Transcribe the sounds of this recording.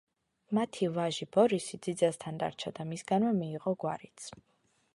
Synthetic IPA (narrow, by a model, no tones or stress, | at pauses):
mat̪ʰivaʒibɔɾisid̪zid̪zast̪ʰand̪a̰ɾt͡ʃʰad̪amisɡanvɛmiːʁɔɡwa̰ɾit̪sʰ